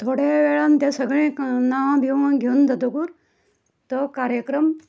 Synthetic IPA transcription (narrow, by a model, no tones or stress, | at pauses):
t̪ʰoːɽeʋeːɭant̪esəɡɭẽnãb̪ʱew̃ɡʱend̪ʱɐd̪okuɾ | t̪ɔkaːɾjəkɾəm